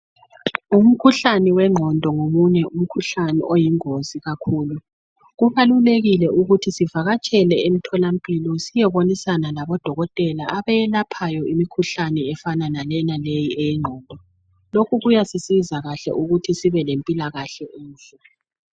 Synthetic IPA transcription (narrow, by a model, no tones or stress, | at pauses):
um̩kʰuɬanɛwɛŋ͡ǃʱɔndʱɔŋomuɲɛʔum̩kʰuɬanɛ̰ʔojiŋoziɣakʰuːlu | ɣuβaluleɣilɛuɣutʰisivaɣat͡ʃʼɛlɛem̩tʰɔlampʼilɔsijɛβonisanalaβɔd̥ʱɔɣɔtʼɛlaaβɛjɛlapʰajɔʔimikʰuɬanɛɛfananalɛnalejiɛjɛŋ͡ǃʱɔːndʱɔ | lokʰuɣujasisizaɣaɬɛ̰ʔuɣutʰisiβɛlempʼilaɣaɬɛʔuːnfɛ